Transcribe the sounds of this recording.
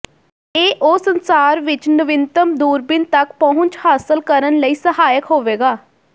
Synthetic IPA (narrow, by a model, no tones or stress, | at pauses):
eːʔoːsənsaːɾʋɪt͡ʃnəʋɪnt̪əmd̪uːɾbɪnt̪əkpɔɦʊ̃ɲt͡ʃhaːsəlkəɾənləiːsəɦaːjəkɦoːʋeːɡaː